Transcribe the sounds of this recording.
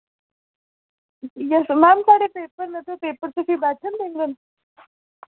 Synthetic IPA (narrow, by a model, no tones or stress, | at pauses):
jəsmamkaɽepepəɾnət̪əpepəɾt͡səsibat͡sʰənb̪eŋɡən